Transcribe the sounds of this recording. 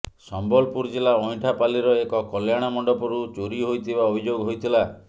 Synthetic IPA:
sɔmbɔlpuɾd͡ʒelaɔjʈʰapaliɾɔekɔkɔljaɽ̃amɔɳɖɔpɔɾut͡ʃoɾiɦojt̪ʰibaobʱid͡ʒoɡɔɦojt̪ʰila

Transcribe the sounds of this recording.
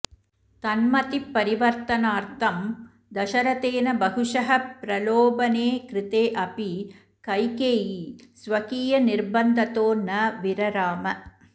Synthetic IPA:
t̪ɐnmɐt̪ipːɐɾiʋɐɾt̪ɐnaːɾt̪ʰɐm | d̪ɐʃɐɾɐt̪eːnɐbɐɦuʂɐɦɐppɾɐloːbɐneːkɾɪt̪eːʔɐpi | kɐjkeːjisʋɐkiːjɐniɾbɐnd̪ʱɐt̪oːnɐʋiɾɐɾaːmɐ

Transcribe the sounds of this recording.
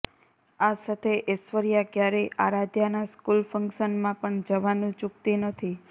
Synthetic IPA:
asat̪ʰeʔesʋəɾijakjaɾeʔa̰ɾad̪ʱjanaskulfəŋkʃənmãpəɳd͡ʒəʋanũt͡ʃuk̚t̪inət̪ʰi

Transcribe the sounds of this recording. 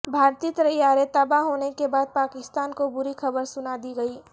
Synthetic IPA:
bʱaːɾt̪it̪əɾəjaːɾet̪əbaɦoːnekebaːd̪̚paːkɪst̪aːnkobʊɾikʰɐbəɾsʊnad̪iɡəiː

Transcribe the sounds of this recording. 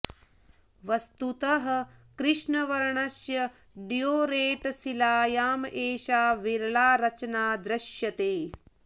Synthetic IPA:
ʋɐst̪ut̪ɐɦɐ̆kɾɪʂɳɐʋɐɾɳɐsjɐ | ɖijoːɾeːʈsilaːjaːmʔeːʃaːʋiɾɭaːɾɐt͡ʃnaːd̪ɾɐʃjɐt̪eː

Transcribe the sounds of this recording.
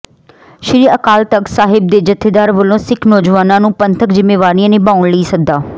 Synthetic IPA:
ʃɪɾiːəkaːlt̪əksaːɦɪb̚d̪eːd͡ʒət̪ʰːeːd̪aːɾʋəlõːsɪkʰnɔːd͡ʒʋaːnãːnũːpənt̪ʰəkd͡ʒɪmːeːʋaːɾiãːneːbaːʊɳləiːsək̚d̪aː

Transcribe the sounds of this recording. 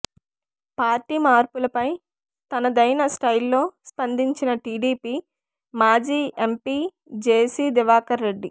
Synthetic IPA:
paːɾʈiːmaːɾpulɐpɐj | t̪ɐnɐd̪ɐjnɐsʈɐjlːo̞ːspɐnd̪iɲt͡ʃinɐʈiːɖiːpiː | maːd͡ʒiːʔempiː | d͡ʒeːsiːd̪iʋaːkɐɾːe̞ɖːi

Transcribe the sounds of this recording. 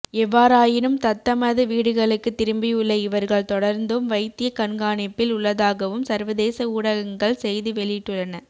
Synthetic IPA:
ɛʋːaːɾaːjɪnɯmt̪ɐt̪ːɐmɐðɯʋiːɽɯɣɐɭɯkːɯt̪ːɪɾɯmbɪjʊɭːɐɪʋɐɾɣɐɭt̪ɔɽɐɾnd̪ɯmʋɐɪt̪ːɪjɐkɐnɡaːɳɪpːɪlʊɭːɐðaːɣɐʋɯmsɐɾʋɐðeːsɐuːɽɐɣɐŋɡɐɭsɛjðɯʋɛɭɪʈːɯɭːɐnɐ

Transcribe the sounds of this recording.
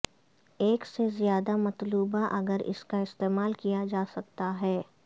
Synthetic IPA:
eːksezjaːd̪amɐt̪luːbaʔɐɡəɾɪ̰skaɪst̪eːmaːlkijad͡ʒaːsɐk̚t̪aɦɛː

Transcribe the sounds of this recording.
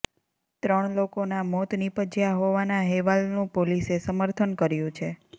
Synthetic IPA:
t̪ɾəɳ̃lokonamɔt̪nipəd͡ʒjaɦoʋanaɦɛʋalnũpolisesəməɾt̪ʰənkəɾjũt͡ʃʰe

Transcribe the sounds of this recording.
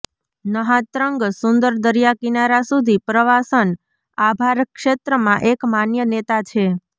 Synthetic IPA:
nəɦãt̪ɾəŋɡsund̪əɾd̪əɾijakinaɾasud̪ʱipɾəʋasən | abʱaɾkʃet̪ɾəmãʔekmanjənet̪at͡ʃʰe

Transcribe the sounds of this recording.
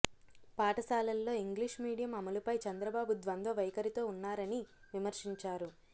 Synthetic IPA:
paːʈɐsaːlɐlːo̞ːiŋɡliʂmiːɽijɐmɐmɐlupɐjt͡ʃɐnd̪ɾɐbaːbud̪ʋɐnd̪ʱɐʋɐjkɐɾit̪o̞ːunːaːɾɐni | ʋimɐɾʂiɲt͡ʃaːɾu

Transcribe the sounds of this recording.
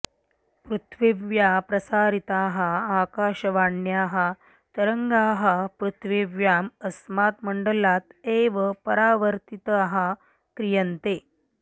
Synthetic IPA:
pɾut̪ʰʋiʋjapɾɐsaːɾit̪aːɦəaːkaːɕɐʋaɳːjaːɦa | t̪ɐɾəŋɡaːɦəpɾut̪ʰʋiʋjaːməsmaːt̪məɳɖəlaːt̪eʋəpəɾaːʋəɾt̪it̪ɦa | kɾijənt̪eː

